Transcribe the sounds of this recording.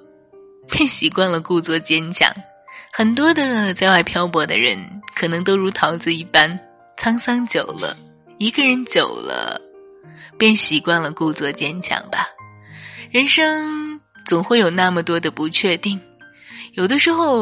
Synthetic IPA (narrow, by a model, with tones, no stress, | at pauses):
pjɛ˥˩nɕi˨˩kwa˥˩nlə˩ku˥˧t͡swɔ˥˩t͡ɕjɛ˥nt͡ɕʰjɑ̰˨˩˦ŋ | xə˨˩nt̪̬wɔ˥d̪ə˨t͡sa˥˧ɪwa˥˩ɪpʰjɑ˥ʊpwɔ˧˥d̪ə̰˧ɻə̰˧˥nkʰɤ˨˩nɤ˧˥ŋt̪o˥ʊɻu˧˥t̪ʰɑ˧˥ʊt͡sɹ̩˥˧i˥˩pa˥n | t͡sʰɑ˥ŋsɑ˥ŋt͡ɕjo˨˩ʊlə̰˦ | i˧˥ɡə˧ɻə˧˥nt͡ɕjo˨˩ʊlə̰˦ | pjɛ˥˩nɕi˨˩kwa˥˩nlə˩ku˥˧t͡swɔ˥˩t͡ɕjɛ˥nt͡ɕʰjɑ̰˨˩ŋbɐ˩ | ɻə˧˥nʂɤ˥ŋ | t͡sʊ˨˩ŋxwe˥˩ɪjo˨˩ʊna˥˩mə˨˩t̪wɔ˥d̪ə˨pu˧˥t͡ɕʰɥɛ˥˧t̪i˥˩ŋ | jo˨˩ʊd̪ə˧˦ʂɻ̩˧˥xo˥˧ʊ